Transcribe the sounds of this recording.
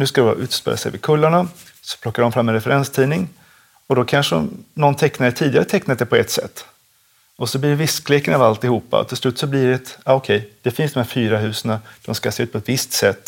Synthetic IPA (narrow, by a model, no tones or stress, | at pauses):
nʉskad̪ɛbɑ̰ɾaʔʉ̟ːt̪spḛːla̰sɛ̰jvɪ̰kʰɵlːaɳa | sɔ̥pʰlɔkːaɖɔmfɾamːɛnɾɛfɛɾɛnst̪ʰiːnɪŋ | ɔd̪ɔkʰanʂənɔnt̪ʰɛknad̪ɛt̪ʰiːd̪ɪɡaɾət̪ʰɛknad̪ɛpʰɔɛt̪sɛ̰t̪ː | ɔsɔblɪɖɛvɪskleːkənɑvalt̪ɪhuːpːa̰ɔ̰t̪ʰːɪlslʉ̟ːt̪ːsɔblɪɾɛt̪aɔkʰɛjd̪̥ɛfɪnsd̪ɔmhæːɾfyːɾaɦʉ̟ːsənad̪̥ɔmskaseːʉ̟ːt̪pʰɔɛt̪vɪst̪sɛt̪ː